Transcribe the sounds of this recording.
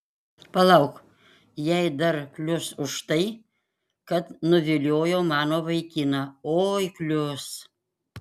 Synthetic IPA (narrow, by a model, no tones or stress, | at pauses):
pɐlˠɐʊk | jɛɪd̪ɐɾklʲʊsʊʃt̪ɐɪ | kɐt̪nʊʋʲɪlʲoːjoːmɑːnoːʋɐɪkʲiːnɑoːjklʲʊs